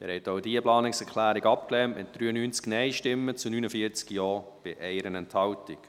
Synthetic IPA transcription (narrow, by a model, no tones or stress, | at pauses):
ɛ̰ɾhɛtoʊdiəplɑːnɪksɛɾkʰlæːɾɪɡɑp̚klɛːnmɪt̚d̥ɾyːənyːnt͡sknɛɪʃtɪmːət͡sunyːnəfiəɾt͡skjɔːb̥ɪʔɛɪɾənɛnthɑltɪk